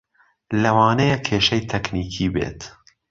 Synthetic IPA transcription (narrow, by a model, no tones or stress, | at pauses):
lɐwɑːnɐjɛkʰeːʃɐjt̪ʰɛkniːkʰiːbḛːt̪